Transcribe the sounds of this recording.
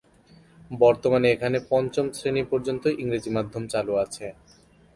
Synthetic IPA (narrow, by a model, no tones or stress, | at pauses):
bɔɾt̪omaneekʰanepɔnt͡ɕomsɾenipɔɾd͡ʑont̪oʔiŋɾed͡ʑimad̪ʱːomt͡ɕaluat͡ɕʰe